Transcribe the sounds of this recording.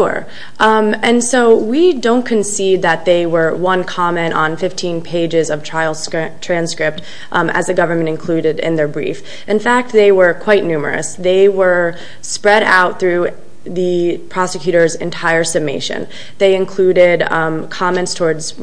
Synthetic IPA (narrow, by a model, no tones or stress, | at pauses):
ʔmɨ̃nsoʊwidõʊ̃nkʰɨ̃nsid̪̚ðɨt̪̚ðeɪwə˞wʌ̃nkʰɑmɛ̃ntʔn̩fɪftʰĩnpʰeɪd͡ʒɪzʌv̥tʰɹ̥aɪlˠstʰɹ̥æ̃nskɹɪp̚t | ʔɨ̰zðɨɡʌvə˞mɨ̃ntɨ̃nkʰl̥ʉɾɪɾɪ̰̃nðə˞bɹḭf | ʔɨ̃nfæk̚t̪̚ðeɪwə˞kʰw̥aɪtⁿnʉmə̰˞ɨ̰sðeɪwə˞ | spɹɛɾa̰ʊt̪̚θɹʉ | ðɨpʰɹ̥ɑsɨkʰj̥ʉɾə˞zɨ̰̃ntʰaɪə˞sɨmeɪʃɨ̰̃n | ðeɪɨ̃nkʰl̥ʉɾɪdkʰɑmɛ̃ntstʰɔɹdz̥